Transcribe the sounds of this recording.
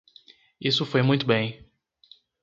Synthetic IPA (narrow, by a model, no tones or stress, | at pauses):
isʊfojmũj̃t̪ʊbẽj̃